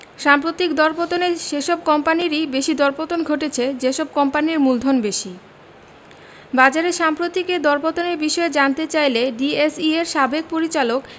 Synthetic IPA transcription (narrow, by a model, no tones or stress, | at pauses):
ʃampɾot̪ikd̪ɔɾpot̪oneʃeʃɔb̚kɔmpaniɾibeʃid̪ɔɾpot̪onɡʱoʈet͡ɕʰed͡ʑeʃɔb̚kɔmpaniɾmuld̪ʱonbeʃi | bad͡ʑaɾeʃampɾot̪iked̪ɔɾpot̪oneɾbiʃɔed͡ʑant̪et͡ɕajleɖiesieɾʃabek̚poɾit͡ɕalok